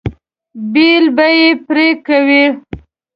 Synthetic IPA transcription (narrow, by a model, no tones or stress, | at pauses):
bilbajepɾekawi